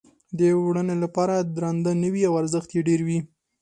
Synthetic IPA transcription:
d̪əwɽənelapɑɾad̪ɾand̪anəwiawaɾzəxt̪jeɖeɾwi

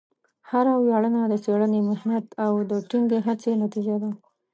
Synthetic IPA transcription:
haɾawjɑɽənad̪əseɽənemʊhnat̪awd̪əʈiŋɡeɦat͡senat̪id͡ʒad̪a

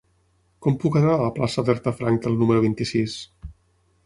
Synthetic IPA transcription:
kɔmpukənaəəplasəβɛɾt̪əfɾaŋk̚d̪əlˠnuməɾuβ̞int̪isis

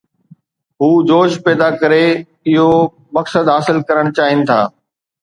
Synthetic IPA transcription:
ɦuːd͡ʑoːʃpɛːd̪akɐɾe | ɪɦo | mɐksəd̪ɦaːsɪlkɐɾəɽ̃t͡ɕaːɦɪnɪ̆t̪ʰa̰ː

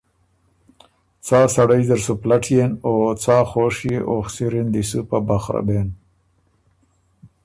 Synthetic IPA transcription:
t͡saːsaɽajzaɾsuplaʈʰjenot͡saːxoːʂjeʔoxsiɾind̪isupabaxɾa̰beːn

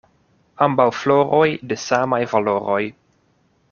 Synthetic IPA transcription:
ambawflo̞ɾo̞jdesamajvalo̞ɾo̞j

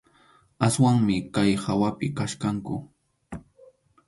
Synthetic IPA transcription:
aswaŋmɪkajhawapɪkaʃkaŋkʊ

